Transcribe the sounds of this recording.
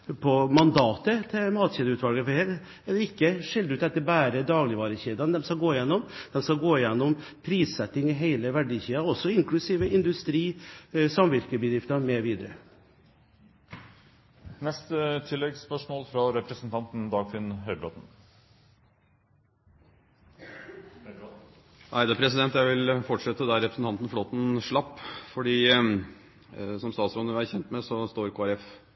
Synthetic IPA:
pʰɔmɑnd̪ɑːt̪ət̪ʰɪmɑːt̪çeːd̪əʉːt̪ʰʋɑlɡəfɔheːɾ | ɛlɛɾɪkːəʂɪld̪ʉːt̪ɛt̪ːəbæːɾəd̪ɑːɡlɪʋɑːɾəçeːd̪ɑnd̪ɛmskɑɡoːɪjɛnːɔmd̪̥ɛmskɑɡoːɪjɛnːɔm | pʰɾiːssɛt̪ːɪŋɪɦeɪləʋæɖiːçiːɑɔsɔɪŋklʉsiːʋəɪnd̪ʉst̪ɾiːsɑmʋɪɾkəbəd̪ɾɪft̪ɑmɛʋiːd̪əɾə | nɛst̪ət̪ʰɪlːɛɡspœʂmoːlfɾɑɾɛpɾəsn̩t̪ʰɑnt̪n̩d̪ɑːɡfɪnɦœʏbɾo̰ːt̪n̩ | ʔæɪd̪ɑpʰɾɛsɪd̪ɛnt̪jæɪʋɪlfɔʈʂɛt̪ːəd̪æɾɛpɾəsn̩t̪ɑnt̪ən̩floːt̪n̩ʂɭɑpːfɔɖiː | sɔmst̪ɑːt̪sɾɔnəæɾçɛnt̪mɛsɔst̪oːɾkʰoːæɾɛf

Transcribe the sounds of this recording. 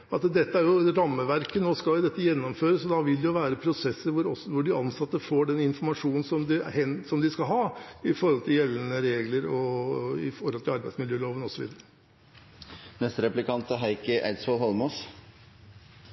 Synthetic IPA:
ɑt̪d̪ɛt̪ːəæɾjʊɾɑmːəʋæɾkənoːskɑljʊd̪ɛt̪ːəjɛnːɔmføːɾəsɔd̪ɑʋɪld̪ɛjʊʋæːɾəpʰɾʊsɛsːəɾʋʊɾɔsʋʊɖɪɑnsɑt̪ːəfoːɖɛnɪnfɔɾmɑʂuːnn̩sɔmd̪ɪhɛnsɔmd̪ɪskɑlɦɑːɪfɔɾhɔlt̪ʰɪljɛlːənəɾeːɡləɾɔɪ̰fɔɾhɔlt̪ʰɪlɑɾbæɪsmɪljøːloːʋənɔsɔʋḭːd̪əɾə | nɛst̪əɾɛplɪkʰɑnt̪əɦæɪkəʔɛlsɔlɦɔlmɔs

